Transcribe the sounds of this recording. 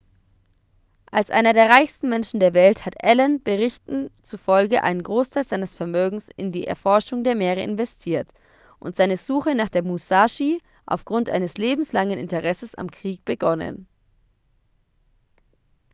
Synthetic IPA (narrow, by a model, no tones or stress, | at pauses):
ʔalsʔa̰ɪnɐdeːɐʁ̞aɪçstn̩mɛnʃn̩deːɐvɛlthatʔɛlɛnb̥əʁɪçtn̩t͡sufɔlɡəʔa̰ɪnənɡʁoːstʰaɪlzaɪnəsfɛɐmøːɡŋ̩sɪ̰ndiːʔɛ̰ɐfɔɐʃʊŋdeːɐmeːʁ̞əʔɪ̰nvɛstʰiːɐt | ʔʊ̰ntz̥aɪnəzuːxənaːχd̥eːɐmusaːʃi | ʔa̰ʊfɡ̥ʁʊntʔa̰ɪnəsleːbm̩slaŋənɪ̰ntəʁɛsəsa̰mkʁ̥iːk̚b̥əɡɔnə̰n